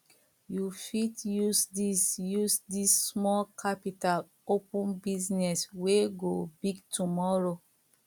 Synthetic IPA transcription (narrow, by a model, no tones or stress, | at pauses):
jufitjusdisjusdisːmɔlkʰapital | opũnbiznɛsweɡobiɡtʰumɔɾo